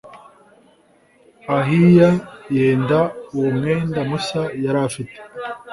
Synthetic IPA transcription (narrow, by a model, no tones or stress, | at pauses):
aɦijaje̞ːndaumŋe̞ːndamusajaɾafite̥